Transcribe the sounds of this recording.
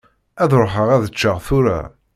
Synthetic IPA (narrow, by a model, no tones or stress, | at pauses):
æðɾoħəʁæðət͡ʃːəʁθʊɾæ̰